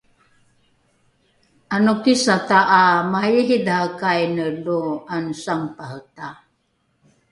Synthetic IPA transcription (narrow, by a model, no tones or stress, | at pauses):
anukisataʔːmahajiɦidahəkajnəluansaŋpahəta